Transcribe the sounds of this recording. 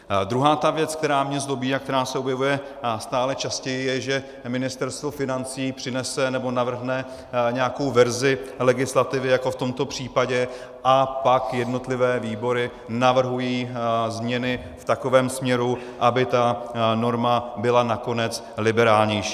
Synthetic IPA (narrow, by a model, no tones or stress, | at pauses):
d̪ɾuɦaːt̪avjɛt͡sk̚t̪ɛɾaːmɲɛzdo̞biːak̚t̪ɛɾaːsɛobjɛvujɛ | st̪aːlɛt͡ʃascɛjɪjɛʒɛ | mɪnɪst̪ɛɾst̪vo̞fɪnant͡siːpr̥ɪnɛsɛnɛbo̞navr̩ɦnɛ | ɲɛjako̞wvɛɾzɪlɛɡɪslat̪ɪvɪjako̞ft̪o̞mt̪o̞pr̝̥iːpaɟɛ | ʔapakjɛdno̞t̪lɪvɛːviːbo̞ɾɪ | navr̩ɦujiːzmɲɛnɪ | ft̪ako̞vɛːmsmɲɛɾu | ʔabɪt̪ano̞ɾmabɪlanako̞nɛt͡s | lɪbɛɾaːlɲɛjʃi̥ː